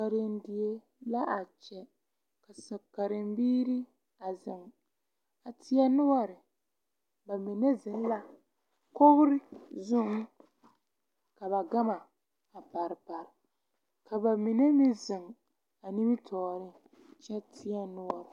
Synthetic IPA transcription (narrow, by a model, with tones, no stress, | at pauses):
a˨ɾɪ˨n˦dɪ˨e˦ | la˦ʔa˨t͡ʃɛ˨ | ka˨sa˨bka˨ɾɪ˨mbiː˦ɾi˦ | a˨zɪ˨ŋ | a˨tʰɪ˦a˦nʊ˦wa˦ɾɪ˨ | ba˨mi˨ne˦zɪ˨n˦la˦ | ko˦ɣɾɪ˦zʊ˦ | ka˨βa˨ɡa˦ma˨ | a˨pa˨ɾpa˨ɾ | ka˨ba˨mi˨ne˦mi˦zɪ˨ŋ | a˨ni˦bi˦tʰɔː˨ɾɪ˦ | t͡ʃɛ˦tʰɪ˦a˦nʊ˦wa˦˨